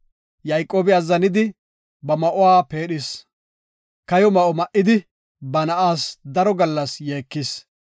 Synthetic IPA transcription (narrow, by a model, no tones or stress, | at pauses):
jɐjkʼːo̞ːbɪaːzɐnɪd̪ɪ | bɐmɐʔʊwaːpe̞ːɗɪs | kɐjɔmɐʔɔmɐʔɪd̪ɪ | bɐnɐʔaːsd̪ɐɾɔɡɐlːɐsjeːkːɪs